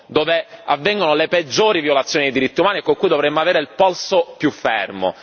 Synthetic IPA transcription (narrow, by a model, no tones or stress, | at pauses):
d̪oːveavːɛŋɡonoleped͡ʒːoːɾiviolat̪sːjoːnid̪ejd̪iɾit̪ːiumaːniekːoŋkujd̪ovɾemːoaveːɾeilpɔlsopjufːɛ̰rmo̰